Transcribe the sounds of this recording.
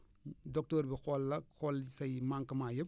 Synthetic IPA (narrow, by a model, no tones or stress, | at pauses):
dɔk̚toɾbixɔlːɐxolsɐjmaŋkɐmajɐ